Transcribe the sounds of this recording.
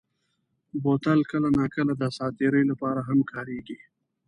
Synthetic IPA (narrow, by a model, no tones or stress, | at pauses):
bot̪alkəlanɑkəlad̪əsɑːt̪eɾəjlapɑːɾaɦamkɑːɾeɡi